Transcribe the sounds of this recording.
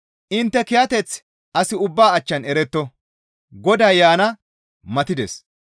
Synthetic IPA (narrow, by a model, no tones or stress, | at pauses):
ʔɪnt̪ːɛkɪjɐt̪ɛt͡s | ʔɐsɪʊbːaːɐt͡ʃːɐnɛɾɛt̪ːɔ | ɡɔd̪aːjjaːnɐ | mɐt̪ɪd̪ɛs